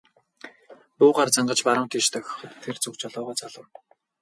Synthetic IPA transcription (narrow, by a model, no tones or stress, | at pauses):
p̪ʊːʁaːrt͡saɴɢə̆t͡ɕpaɾə̆mt̪ʰiːʃt̪ʰœxʲχə̆t̪ʰːert͡sɵkt͡ɕɔɮɔːʁɔːt͡saɮə̆w